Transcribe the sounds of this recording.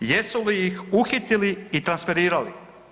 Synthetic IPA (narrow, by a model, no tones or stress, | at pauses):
jesulijixuxit̪iliit̪ɾansfeɾiːɾalḭ